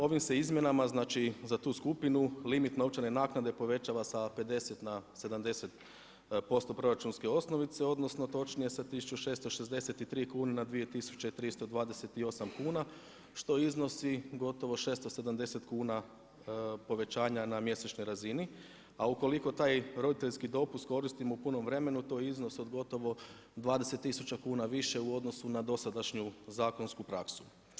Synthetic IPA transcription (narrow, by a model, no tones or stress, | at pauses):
o̞ʋimse̞izmʲje̞namaznaːt͡ʃizat̪uːskupinulimit̪nop̚t͡ʃene̞naːknad̪e̞po̞ʋe̞t͡ɕaʋasape̞d̪e̞se̞t̪nase̞d̪amd̪e̞se̞t̪ | po̞st̪o̞pɾo̞ɾat͡ʃunske̞o̞sno̞ʋit̪se̞o̞d̪no̞sno̞t̪o̞t͡ʃnije̞sat̪isut͡ʃuʃe̞ːst̪o̞ʃezd̪e̞se̞t̪it̪ɾiːkuːnenad̪ʋije̞t̪isu̥t͡ɕeit̪ɾist̪o̞d̪ʋaːd̪e̞set̪io̞samkuːna | ʃt̪o̞izno̞siɡo̞t̪o̞ʋo̞ʃe̞ːst̪o̞se̞d̪amd̪e̞se̞t̪kuːna | po̞ʋe̞t͡ʃaːɲanamje̞set͡ʃno̞jɾazini | auko̞liko̞t̪aːjɾo̞d̪it̪e̞ʎʲskid̪o̞pust̪̚ko̞ɾist̪imoupuno̞mʋɾe̞me̞nut̪o̞ːjizno̞so̞d̪ɡo̞t̪o̞ʋo̞ | d̪ʋaːd̪e̞se̞t̪ːisut͡ɕakuːnaʋiʃe̞uo̞d̪no̞sunad̪o̞sad̪aʃɲuzaːko̞nskupɾaksu̥